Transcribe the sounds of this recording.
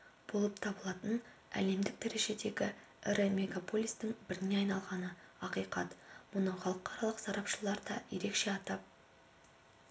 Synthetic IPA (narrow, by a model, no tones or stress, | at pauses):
b̥o̞lˠəpt̪ʰɑbəlˠɑt̪ənæ̰le̞md̪ɪk̚d̪̥æɾe̞ʒe̞d̪e̞ɡʲɪ | ɪɾɪmʲe̞ɡapʰo̞lʲist̪ɪŋbɪɾɪne̞ɑjnɑlˠʁɑnəɑqijqɑt̪mʊnəχɑlˠəqʰɑɾɑlˠəqsɑɾɑpʃəlˠɑɾd̪ɑ̰je̞̰ɾe̞kʃe̞ɑt̪ɑp̚